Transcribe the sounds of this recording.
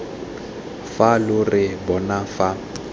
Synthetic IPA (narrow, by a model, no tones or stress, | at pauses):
falʊrɪbɔnafa